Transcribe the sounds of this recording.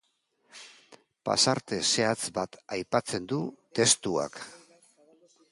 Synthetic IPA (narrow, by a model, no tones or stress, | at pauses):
pa̰saɾt̪e̞se̞at͡sbat̪ajpat͡se̞nd̪ut̪e̞st̪ua̰k